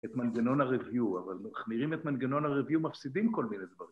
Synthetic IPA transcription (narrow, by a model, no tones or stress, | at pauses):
et̪manɡeno̞nhaʁeviua̰valaχniʁimet̪manɡeno̞nhaʁeviumafsid̪imko̞lmine̞jd̪vaʁim